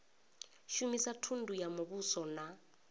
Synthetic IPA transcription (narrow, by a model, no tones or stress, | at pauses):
ʃumisatʰundʱujamoɓusɔna